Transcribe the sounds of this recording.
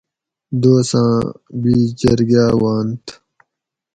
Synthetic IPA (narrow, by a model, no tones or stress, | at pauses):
d̪oːsãːbiːt͡ɕɐɾɡaːwaːnt̪